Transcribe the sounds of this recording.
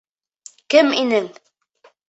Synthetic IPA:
kɘminɘŋ

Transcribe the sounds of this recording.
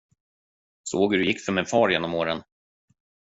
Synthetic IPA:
soːɡɾɵjɪkːfœɾmɪnfɑːɾjeːnːɔmoːɾən

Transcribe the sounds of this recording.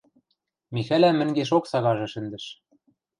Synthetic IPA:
mixælæmɘ̆ŋɡeʃ̬oksɑɣɑʒɤ̆ʃɘ̆nd̪ɘ̆ʃ

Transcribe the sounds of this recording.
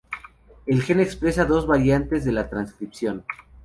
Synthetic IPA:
e̞lxe̞nekspɾe̞saðo̞zβaɾjant̪e̞zðe̞lat̪ɾanskɾipsjo̞n

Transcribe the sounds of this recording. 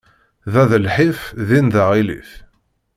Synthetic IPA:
ðæðəlħifðinðaʁilḭθ

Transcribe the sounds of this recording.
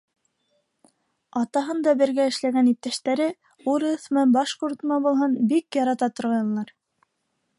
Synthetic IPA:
ɑt̪ɑɦɤnd̪ɑbɘ̆ɾɡæɘ̆ʃlæɡænip̚t̪æʃt̪æɾɘ | uɾɤθmɤbɑʃquɾt̪mɑbulˠɦɤnbikjɑɾɑt̪ɑt̪ŏɾʁɑjɤ̆lːˠɑɾ

